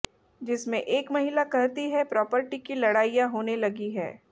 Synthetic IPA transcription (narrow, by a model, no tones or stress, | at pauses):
d͡ʒɪsmẽʔeːkmɐɦɪlakɐɾt̪iɦɛpɾɔːpəɾʈikilɐɽaːijãɦoːnelɐɡiɦɛ̰ː